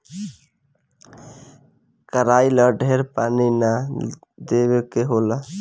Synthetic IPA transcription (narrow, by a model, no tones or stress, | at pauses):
kəɾaːiləɖʱeːɾpaːnina | d̪eːwekeɦoːla